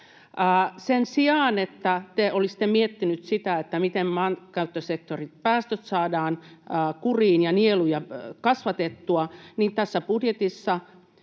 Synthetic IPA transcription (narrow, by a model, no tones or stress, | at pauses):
əːsensiɑːnet̪ːæt̪eolist̪emiet̪ːinyt̪sit̪æet̪ːæmit̪emmɑnkɑyt̪ːosek̚t̪orit̪̚pæːst̪øt̪sɑːdɑːnːkuriːnjɑnielujɑkɑsʋɑt̪et̪ːuɑniːnt̪æsːæpudjet̪isːɑ